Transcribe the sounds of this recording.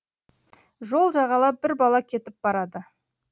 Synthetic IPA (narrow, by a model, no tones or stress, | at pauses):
ʒolˠʒɑʁɑlˠɑp̚b̥ɪɾbɑlˠɑkʲʰe̞t̪ɪp̚bɑɾɑd̪ə